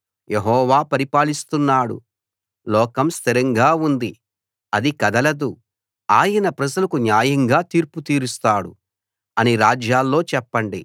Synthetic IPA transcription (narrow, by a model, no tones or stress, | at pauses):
jʔeɦɔːʋaːpɐɾipaːlist̪unːaːɽṵ | lɔːkɐmst̪ʰiɾɐŋɡaːund̪i | ɐd̪ikɐd̪ɐlɐd̪u | aːjɐnɐpɾɐd͡ʒɐlɐkunjaːjɐŋɡaːt̪iːɾput̪iːɾust̪aːɽṵ | ɐniɾaːd͡ʒjaːlːo̞ːt͡ʃɛpːɐɳɖi